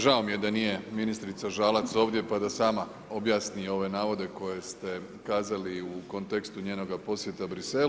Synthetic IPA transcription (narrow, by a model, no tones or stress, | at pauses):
ʒao̞mije̞d̪anije̞minist̪ɾit̪saʒaːlat̪so̞ːʋd̪je̞pad̪asaːma | o̞bjaːsnio̞ʋe̞naːʋo̞d̪e̞ko̞je̞st̪e̞ | kaːzaliuko̞nt̪ekst̪uɲeːno̞ɡapo̞sje̞t̪abɾise̞l